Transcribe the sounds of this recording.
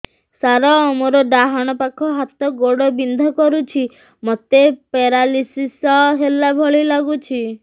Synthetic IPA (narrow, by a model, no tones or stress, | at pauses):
saɾɔmoɾɔɖaɦɔɽ̃ɔpakʰɔɦat̪ɔɡoɽɔbind̪ʱɔkɔɾut͡ʃʰi | mɔt̪epeɾalisisɔɦelːabʱɔɭilaɡut͡ʃʰi